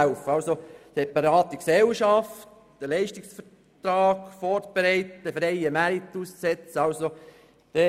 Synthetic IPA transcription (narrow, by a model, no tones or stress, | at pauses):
ʊfəɑlsosepɑɾɑːt̪əksɛlʃɑft | d̥əlɛɪʃtiksfə | tɾɑːɡfɔɾtb̥eɾɛɪtəfɾeɪəmæɾit̪ussɛt͡səɑlso | d̥ɛ